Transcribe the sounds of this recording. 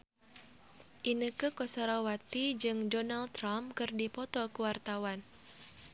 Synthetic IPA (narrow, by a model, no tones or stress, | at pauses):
ʔinəkɨkɔsaɾawat̪id͡ʒɨŋdɔnalt̪ɾamkɨrdipɔt̪ɔkəwart̪awan